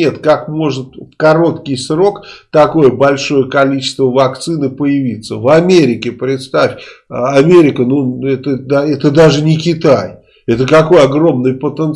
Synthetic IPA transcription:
e̞t̪kakmo̞ʐɨt̪fkɐɾo̞t̪kʲɪjsro̞kt̪ɐko̞jəbɐlʲʂo̞jəkɐlʲit͡ɕɪ̥st̪vəvɐkt̪sɨnɨpəjɪvʲit̪səvɐmʲeɾʲɪkʲɪpɾʲɪt̪st̪afʲɐmʲeɾʲɪkənuɛt̪əd̪aɛt̪əd̪aʐɨnʲɪkʲɪt̪aj | ɛt̪əkɐko̞jɐɡro̞mnɨjpət̪ən

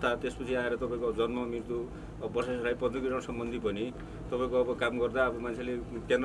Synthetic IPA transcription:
t̪ʰat̪espʌt͡sʰiaeɾʌt̪ʌpãĩkod͡zʌnmʌmirt̪u | bʌsasʌlajpʌd̪ʌkiʈʌɽsʌmbʌnd̪ʱipʌni | t̪ʌpaĩkoʌbʌkamɡʌrd̪aːbʌmant͡sʰelekend̪

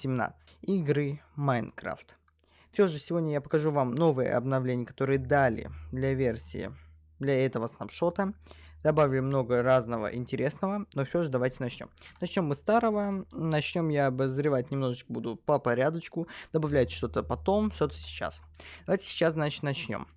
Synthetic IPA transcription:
sʲɪmna̰t̪sɨ̥tʲiɡɾɨmajnkɾa̰ft̪ | fʲsʲo̞ʐɨsʲɪvo̞dʲnʲəjapəkɐʐuvamno̞vɨjə̰ɐ̰bnɐvlʲenʲɪjəkɐt̪o̞ɾɨjəd̪alʲɪ̰d̪lʲɐvʲersʲɪ̰ɪ̰ | d̪lʲɐɛt̪əvəsnɐpʂo̞t̪əd̪ɐbavʲɪlʲʊmno̞ɡəraznəvə̰ʔɪnʲtʲɪɾʲe̞snəvənofsʲoʐɨd̪ɐvajtʲɪnɐt͡ɕnʲo̰mnɐt͡ɕnʲo̞mːɨst̪aɾəvənɐt͡ɕnʲo̞mjaɐbəzɾʲɪvatʲnʲɪmno̞ʐɨt͡ɕkəbud̪ʊpəpɐɾʲad̪ət͡ɕkʊd̪̥əbɐvlʲætʲʂt̪o̞t̪əpɐt̪o̞mʂt̪o̞t̪ə̥sʲɪ̥t͡ɕa̰s | d̪ɐvajʲtʲɪ̥sʲɪ̥t͡ɕːasznat͡ɕɪ̥t̪nɐt͡ɕnʲo̞̰m

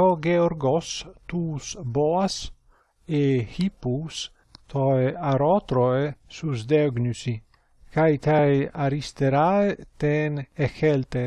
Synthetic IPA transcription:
oɡeɔɾɡost̪usboas | ehipus | t̪ʰoeaɾɔt̪ɾoesusd̪ɛɡnysi | kajt̪ajaɾist̪eɾaet̪eːnexɛlt̪e

